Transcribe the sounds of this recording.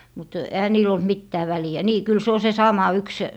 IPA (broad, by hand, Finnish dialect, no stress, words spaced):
mut ehæ niːl olt mitːæː ʋæliæ niː kyl se o se sɑmɑ yks